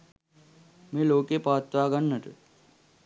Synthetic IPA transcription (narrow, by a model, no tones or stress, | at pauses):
meːloːkeːpaːt̪ʋaːɡɐnːɐʈ̪ɨ